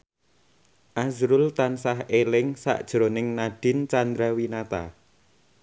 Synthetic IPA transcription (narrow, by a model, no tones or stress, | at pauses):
ʔazɾʊlt̪ansaɦelɪŋsa̰ʔd̥ʒ̥ɾonɪŋnaɖ̥ɪ̤nt͡ʃand̪ɾawinat̪a̰